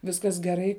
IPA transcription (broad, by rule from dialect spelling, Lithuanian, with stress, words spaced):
ˈʋʲɪskɐs ɡʲɛˈrɐɪ